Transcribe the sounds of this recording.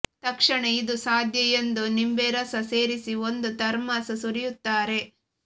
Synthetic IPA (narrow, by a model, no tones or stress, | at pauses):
t̪ɐkʂɐɳeid̪usaːd̪ʱjɐjend̪unimbeɾɐsɐse̞ːɾisiond̪ut̪ɐɾmaːsɐsuɾijut̪ːaːɾe̞